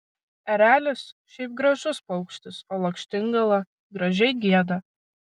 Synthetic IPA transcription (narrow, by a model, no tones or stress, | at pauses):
ɛɾʲæːlʲʊsʃʲɛɪp̚ɡɾɐʒʊspɐʊkʃʲt̪ʲɪsoːlˠɐkʃʲt̪ʲɪŋɡɐlˠɐ | ɡɾɐʒʲɛɪɡʲiɛd̪ɐ